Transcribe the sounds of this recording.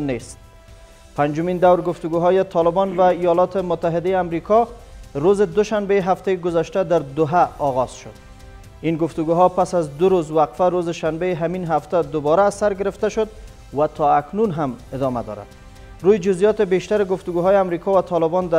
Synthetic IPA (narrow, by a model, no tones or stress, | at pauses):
nest̪̚ | pand͡ʒʊmind̪awɾɡʊft̪ʊɡuɦɔjɪt̪ʰɒlɪbɔnvaijɒlɒt̪ɪmʊt̪ːaɦɪd̪ajeamɾikʰɒɾozɪd̪ʊʃanbejɦaft̪ajeɡʊzaʃt̪ad̪aɾd̪ʊɦaɒɣɒz̥ʃʊd̪ | inɡʊft̪ʊɡuɦɔpasazd̪ʊɾozwaqfaɾozɪʃanbejɪɦaminɦaft̪ad̪ʊbɒɾaːsaɾɡɪɾɪft̪aʃʊd̪ | wat̪ʰɔaknunɦamɪd̪ɒma̰d̪ɒ̰ɾa̰d̪ | ɾujɪd͡ʒʊzjɒt̪ɪbeʃt̪aɾɪɡʊft̪ʊɡuɦɒjeamɾikɔvat̪ʰɒlɪbɔnd̪a